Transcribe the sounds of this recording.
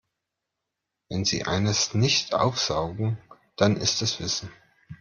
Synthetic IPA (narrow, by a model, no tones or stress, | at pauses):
vɛnzḭːʔa̰ɪnəsnɪçtʰʔa̰ʊfz̥aʊɡŋ̩ | d̥anʔɪstɛsv̥ɪsn̩